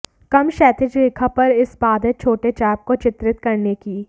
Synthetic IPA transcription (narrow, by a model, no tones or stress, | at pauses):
kɐmʃɛːt̪ɪd͡ʒɾiːkʰapɐɾɪsbaːd̪et͡ʃʰoːʈet͡ʃɛːp̚kot͡ʃɪt̪ɾɪt̪kɐɾnekiː